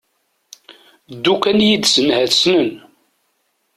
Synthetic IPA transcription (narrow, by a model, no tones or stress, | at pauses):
d̪ːukænjid̪sənhæðsnən